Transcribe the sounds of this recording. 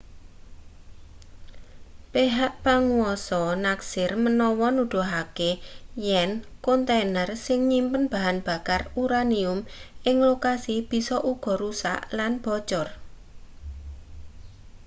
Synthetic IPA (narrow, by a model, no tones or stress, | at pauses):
peɦaʔpaŋuɔsɔnaksɪrmənɔwɔnuɖ̪̥o̤ɦakejɛnkɔnt̪enərsɪŋɲimpənb̥a̤ɦanb̥a̤karuɾaniʊmʔɪŋlokasib̥i̤sɔʔuɡ̥ɔ̤ɾusa̰ʔlanb̥ɔ̤̥t͡ʃɔr